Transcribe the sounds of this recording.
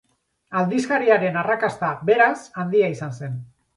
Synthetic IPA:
ald̪iskaɾiaɾe̞narakast̪abe̞ɾasand̪iaisanse̞n

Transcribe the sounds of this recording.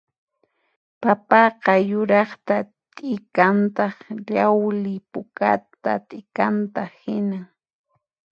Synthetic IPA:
papɑqɑjʊɾɑχt̪a | t̪ʼɪkant̪ɑχʎawlɪpʊka̰t̪a̰t̪ʼɪkant̪ahɪna

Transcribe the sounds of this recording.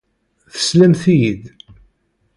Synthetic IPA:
θə̥slæmθijið

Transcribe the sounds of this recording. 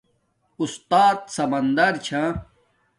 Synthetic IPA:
ust̪aːt̪sɐmɐnd̪ɐɾt͡ɕʰã

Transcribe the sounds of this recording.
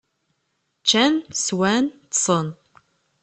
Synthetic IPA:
t͡ʃːænswænt̪sˤən

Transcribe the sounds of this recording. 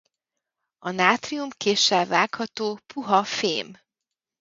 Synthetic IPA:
ɒnaːt̪riumkeːʃːɛlvaːkhɒt̪oːpʰuɦɒfeːm

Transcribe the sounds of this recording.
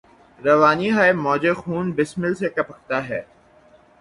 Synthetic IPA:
ɾɐʋaːniɦaːemɔːd͡ʒexuːnbɪsmɪlsekɐpɐkʰt̪aɦɛː

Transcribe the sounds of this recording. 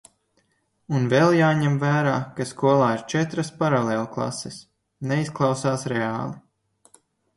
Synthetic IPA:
unvɛlˠjaːɲɛmvæːɾaːkaskuɔlˠaːiɾt͡ʃɛt̪ɾaspaɾalˠeːlˠuklˠa̰sɛs | nɛisklˠɑwsaːsɾɛaːlˠi

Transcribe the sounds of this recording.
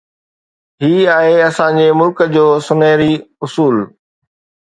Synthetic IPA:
ɦiːaːɦeɐsãd͡ʑeːmʊlkəd͡ʑoːsʊneːɾiʊsuːl

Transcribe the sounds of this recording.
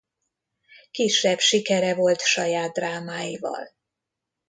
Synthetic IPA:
kiʃɛbʃikɛɾɛvo̞lt̪ʃɒjaːd̪̚ːraːmaːjivɒ̰l

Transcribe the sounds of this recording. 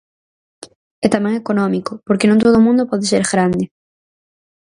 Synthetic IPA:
ɛt̪amɛ̃ŋekonɔmikʊpoɾkenõŋt̪oðomũnd̪ʊpɔðeseɾɣɾand̪ɪ

